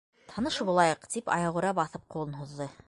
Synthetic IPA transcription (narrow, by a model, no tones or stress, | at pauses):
t̪ʰɑnɤʃɤbulˠɑjɤqt̪ipɑ̰jɑʁŭɾɑbɑθɤp̚qulˠɤnɦuðːɤ